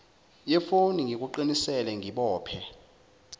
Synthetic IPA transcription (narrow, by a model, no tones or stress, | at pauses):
jɛfoniŋʱik̬uǃinisɛlɛŋiɓɔːpʰɛ